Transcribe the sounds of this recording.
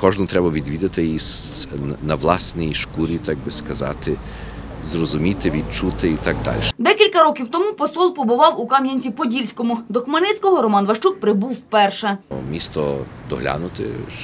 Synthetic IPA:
kɔʒnʊmt̪ɾɛbɐʋʲid̪ʋʲid̪ɐt̪ɪis | nɐʋlˠɑsnʲijiʃkuɾʲit̪ɑɡ̚bɪskɐzɑ̰t̪ɪ | zrɔzʊmʲit̪ɪʋʲid̪̚t͡ʃut̪ɪit̪ɑɡd̪ɑ̰lʲʃɛ̥d̪ɛkʲilʲkɐɾɔkʲiwt̪ɔmupɔsɔlˠpɔbʊʋɑwʊkɑmjɐnʲt͡sʲipɔdʲilʲsʲkɔmʊd̪ɔxmɐnɛt͡sʲkɔɦɔɾɔmɑnʋɐʃt͡ʃuk̚pɾɪbuwwpɛrʃɛmʲist̪ɔd̪ɔɦlʲa̰nʊt̪ɪ̰ʃ

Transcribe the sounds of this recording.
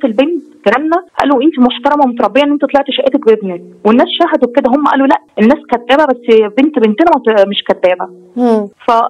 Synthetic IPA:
t̪elbent̪kæɾæmnæʔæ̰ːloʔent̪imoħt̪ɑɾˤɑmɑmot̪ɑɾˤɑbːejɑʔnːʔent̪it̪ˤlɑʕt̪ʃæʔeːt̪æk̚bebniwenːæːsʃæɦæd̪owked̪æɦomːæʔæ̰ːlolæʔʔenːæːskæd̪ːæːbæbæsːbent̪bent̪enæmæt̪meʃkæd̪ːæːbæ | fæ

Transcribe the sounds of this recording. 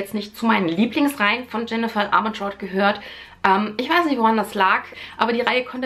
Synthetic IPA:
ɛt͡stnɪçt̚t͡sumaɪnənliːplɪŋsʁaɪənfɔnd͡ʒɛnəfalʔa̰ːmʊnʃɔɐtɡ̥əɦøːɐtʔɛːmʔɪçv̥aɪsnɪçtvoʁandaslaːkʔaːbɐdiːʁaɪəkʰɔnt

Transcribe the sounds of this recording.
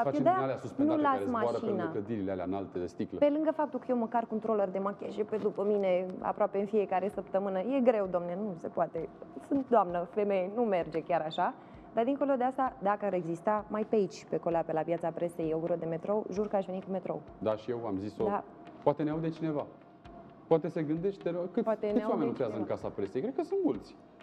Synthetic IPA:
afad̪aaleasuspnulasmaʃinakləd̪iɾilealea̰ɨna̰lt̪ed̪est̪iklpe̞lɨŋɡəfap̚t̪ulkəje̞wməkarko̞nt̪ɾo̞lərd̪e̞makʲeʃeped̪upəmine̞a̰pɾoapeɨnfie̞kaɾe̞səp̚t̪əmɨnəje̞ɡɾe̞wd̪oamnenuse̞poat̪e̞sɨnt̪̚d̪oamnəfe̞mejenume̞rd͡ʒe̞kʲaɾaʃa | d̪ard̪iŋko̞lo̞d̪east̪ad̪akəaɾe̞ɡzist̪amajpeeait͡ʃʲpe̞koleapelapjat̪sapɾe̞se̞joɡɾeod̪e̞me̞t̪ɾo̞ʒurkəaʃve̞nikume̞t̪ɾo̞̰ | d̪aʃije̞wa̰mzisod̪a | poat̪eneawd̪et͡ʃine̞va | poat̪e̞seɡɨnd̪eʃt̪̚ʲd̪ekɨpat̪t̪enɨtesajwamenot̪ɾeazəɨŋkasapɾese̞jkɾe̞d̪̚kəsɨnt̪mult̪sʲ

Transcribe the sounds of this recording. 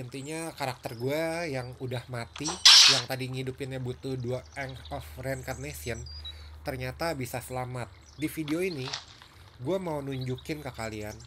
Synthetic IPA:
ənt̪iɲakaɾak̚t̪ərɡuajaŋudahmat̪ijaŋt̪adiŋidupɪnjabut̪ʊhduaɛŋɔfrɛnkarnesiənt̪ərɲat̪abisasəlamat̪̚ | difideoini | ɡuamaunuɲd͡ʒukɪnkəkalian

